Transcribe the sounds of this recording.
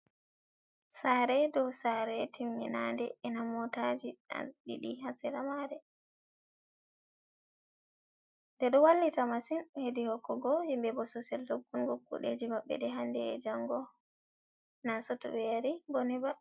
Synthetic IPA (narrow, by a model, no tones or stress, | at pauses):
saːɾɛdɔwsaɾɛtimːḭnandɛɛnamɔtad͡ʒia̰ɗḭɗihasɛɾamaɾɛ | dɛɗɔwalːitamasinhedihɔkːɔɡɔhimbɛbɔsɔsɛldoɡːunɡokːṵɗḛd͡ʒimaɓːɛ̰ɗɛɦandɛ̰d͡ʒaŋɡɔ | nasɔtɔ̰wɛɾiboniba